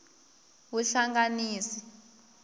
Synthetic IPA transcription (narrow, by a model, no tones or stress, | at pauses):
wuɬaŋɡaniːsi̥